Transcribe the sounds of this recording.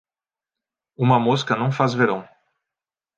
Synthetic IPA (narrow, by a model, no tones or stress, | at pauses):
ũmɐmoskɐnɐ̃w̃fazveɾɐ̃w̃